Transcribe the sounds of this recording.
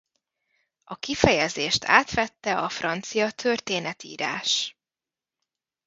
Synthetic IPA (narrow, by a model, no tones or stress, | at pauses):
ɒkifɛjɛzeːʃt̪ʰa̰ːt̪ʋɛt̪ːɛɒfrɒnt̪sijɒt̪ʰørt̪eːnɛt̪ḭːɾa̰ːʃ